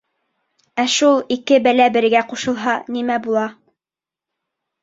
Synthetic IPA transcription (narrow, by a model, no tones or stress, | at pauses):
æʃulˠikɘbælæbɘ̆ɾɡæquʃɤ̆lˠɦɑnimæbulˠɑ